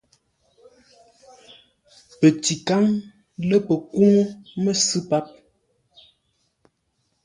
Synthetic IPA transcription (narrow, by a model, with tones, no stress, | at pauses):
pə˨ti˨ka˦ŋ | lə˦pə˨ku˦ŋo˦mə˦sɨ˦pa˦p̚